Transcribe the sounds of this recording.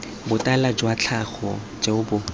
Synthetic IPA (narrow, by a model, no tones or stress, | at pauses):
bʊtʼalad͡ʒwat͡ɬʰaχɔ | d͡ʒaʊbʊ